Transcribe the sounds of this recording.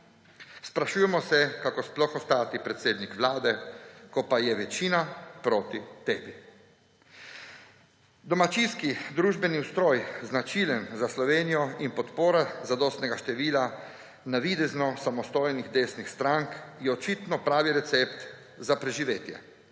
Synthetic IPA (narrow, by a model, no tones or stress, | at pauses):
spɾaʃuːjɛmɔsɛkakosplɔxɔst̪aːt̪ipɾɛt̪seːd̪nikʋlaːd̪ɛkɔpajɛʋɛt͡ʃiːnapɾoːt̪it̪eːbi | d̪ɔmat͡ʃinskid̪ɾuːʒbɛniust̪ɾoːjznat͡ʃiːlɛmzaslɔʋeːnijɔinpɔt̪poːɾazad̪ɔːst̪nɛɡaʃt̪ɛʋiːla | naʋid̪ɛznɔsamɔst̪oːjniɣd̪eːsnixst̪ɾaŋkjɛɔt͡ʃit̪nɔpɾaːʋiɾɛt̪sept̪ | zapɾɛʒiʋeːt̪jɛ̰